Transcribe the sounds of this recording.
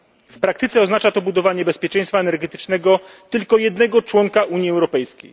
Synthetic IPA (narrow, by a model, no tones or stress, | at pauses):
fpɾak̚t̪ɘt̪sɛɔznat͡ʂat̪ɔbud̪ɔvaɲɛbɛspʲjɛt͡ʂɛ̃j̃st̪faɛnɛɾɡɛt̪ɘ̥t͡ʂnɛɡɔt̪ɘlkɔjɛd̪̚nɛɡɔt͡ʂwɔŋkaʔuɲjiɛwɾɔpɛjskʲḛj